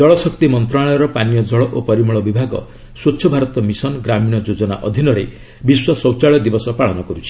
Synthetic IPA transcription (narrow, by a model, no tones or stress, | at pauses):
d͡ʒɔɭɔsɔkt̪imɔnt̪ɾaɭɔjɔɾɔpanijɔd͡ʒɔɭɔʔopɔɾimɔɭɔbibʱaɡɔ̰ | swotːt͡ʃʰɔbʱaɾɔt̪ɔmisɔnɡɾamiñɔd͡ʒod͡ʒɔna̰ʔɔd̪ʱinɔɾḛ | biswɔsɔwt͡ʃaɭɔd̪ibɔsɔpaɭ̤ɔnɔkɔɾut͡ʃʰi̥